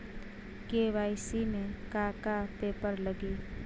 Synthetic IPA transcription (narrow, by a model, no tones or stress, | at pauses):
keʋaːisimẽkaːkapeːpəɾləɡi